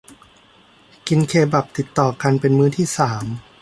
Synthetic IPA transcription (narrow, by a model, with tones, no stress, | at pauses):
ki˧nkʰeː˧ba˨˩p̚t̪i˨˩t̪ːɔː˨˩ka˧npe˧nmɯː˦˥t̪ʰiː˥˩saː˩˦m